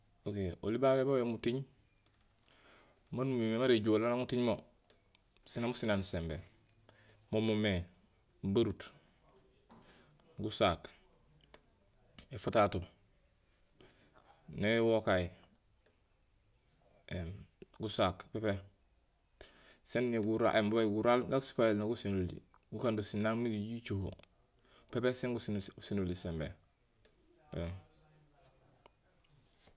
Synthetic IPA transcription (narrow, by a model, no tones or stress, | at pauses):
okeo̰libabebawemutiɲ | manumimemaɾeɟolanaŋutiɲmo | sinamusinansembe | momome | baɾut | ɡusaːk | efutatu | newokaji | ɡusakpepe | senːiɡuɾa̰ʔembɡuɾalɡasi̥pajelnaɡusinolḭ | ɡukandusinaːŋmiɡiɟit͡ʃoho̰ | pepeseŋɡusinusinolisembḛ